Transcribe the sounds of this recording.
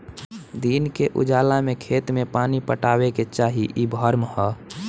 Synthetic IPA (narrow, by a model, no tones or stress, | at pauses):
d̪iːnkeʔʊ̰d͡ʒaːlamẽkʰeːt̪mẽpaːnipəʈaːweket͡ʃaːɦiʔibʱəɾmhɛ